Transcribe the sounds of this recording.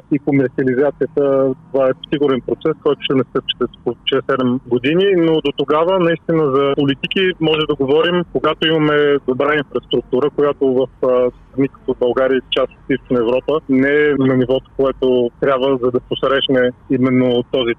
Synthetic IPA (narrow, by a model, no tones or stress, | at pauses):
ikomɛɾt̪siɐlizat̪sijət̪ət̪ovaɛsiɡʊɾɛnpɾot̪sɛskɔjt̪ʊ̥ʃt̪ɛnɛst̪ɤpt͡ʃi̥ɛt̪ot͡ʃɛsɛd̪ɛmɡod̪ininod̪ot̪oɡavənɐist̪inəzɐpolit̪ikimɔʒɛd̪ɐɡovɔɾimkoɡat̪oimɐmɛd̪obɾainfɾɐst̪ɾuk̚t̪uɾəkojat̪ovɐf | nikə̥k̪obɐlˠɡaɾiət͡ʃast̪ot̪ist̪o̥t͡ʃnɐɛvɾɔpənɛɛnɐnivɔt̪o̥koɛt̪ot̪ɾʲabvəzɐd̪ɐposɾɛʃnɛimɛnːot̪ɔzi